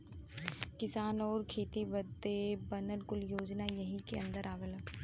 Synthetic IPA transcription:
kɪsaːnɔːɾkʰeːt̪ibɐd̪ebɐnəlkʊljoːd͡ʒnajɐɦĩkeɐ̃nd̪əɾaːʋəl

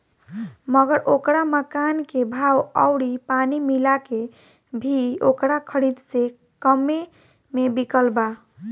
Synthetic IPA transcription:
məɡəɾʔokɾaməkankebʱawəʊɽipanimilake | bʱiokɾakʰəɾid̪se | kəme | mebikəlba

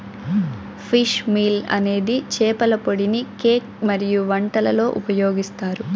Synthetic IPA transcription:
pʰiʃmiːlɐ̰ne̞ːd̪it͡ʃɛːpɐlɐpo̞ɽinikeːk̚mɐɾijuʋɐɳʈɐlɐlo̞ːʔupɐjoːɡist̪aːɾu

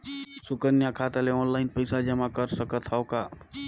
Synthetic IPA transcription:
sʊkənjakʰat̪eleɔ̃ːnlaɪnpəjsad͡ʒəmãkəɾsəkət̪ʰɦaka

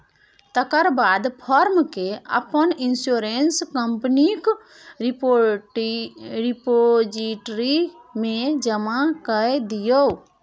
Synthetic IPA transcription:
t̪əkəɾbad̪pʰɔɾmkeə̰pəninsoɾenskəmpənik | o | ɾipod͡ʒiʈɾimẽd͡ʒəmakəjd̪ijəw

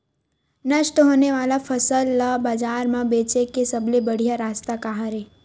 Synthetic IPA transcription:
nəʃʈəɦoneʋalafəsəlːabad͡ʒaɾmãbet͡ʃekesəblebəɽ̤ijaɾaːst̪akaɦaɾe

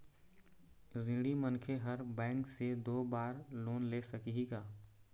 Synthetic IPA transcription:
ɾɪ̃ɽimənkʰeɦəɾbɛ̃ːŋksed̪oːbaːɾloːnlesəkiɦiɡaː

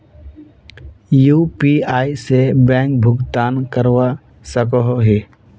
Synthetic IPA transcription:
juːpiaːisebɛ̃ːŋk̚bʱʊɡt̪aːnkəɾwa | səkɔɦoɦe

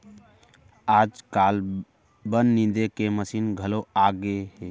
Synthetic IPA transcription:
ad͡ʒkal | bənːind̪ekeməsinɡʱəloaɡeɦe

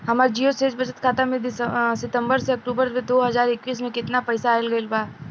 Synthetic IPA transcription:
ɦɐmaːɾd͡ʒiːoseːd͡ʒbɐt͡ʃət̪kʰaːt̪amẽd̪ɪsəsɪt̪ə̃mbəɾseɐk̚ʈuːbəɾmẽd̪oːɦɐzaːɾɪkʋiːs̬mẽkɪt̪napɐɪsaːɪlɡɐɪlbaː

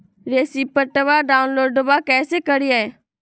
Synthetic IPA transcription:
ɾeːsiːpəʈəʋaɖaːʊnloːɖːəʋakɛːsekəɾɪjaɛ

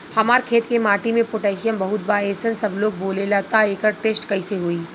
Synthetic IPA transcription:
hɐmaːɾkʰeːt̪kemaːʈimẽpoʈɛːʃijəmbɐɦʊt̪̚baːeːsənsɐbloːɡ̚boːlelat̪aeːkəɾʈeːsʈkɐiseɦoːiː

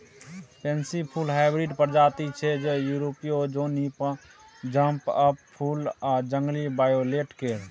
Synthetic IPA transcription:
pensipʰulɦaɪbɾiɖpəɾd͡ʒat̪it͡ʃʰɛd͡ʒejuɾopiod͡ʒonipə | d͡ʒəmpəppʰulad͡ʒəŋɡlibajoleʈkeɾ

